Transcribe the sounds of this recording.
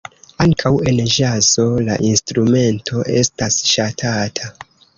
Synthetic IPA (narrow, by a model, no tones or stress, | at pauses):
aŋkʰawe̞nʒazo̞la̰ʔinstɾume̞ntʰo̞ʔe̞̰stasʃatʰatʰa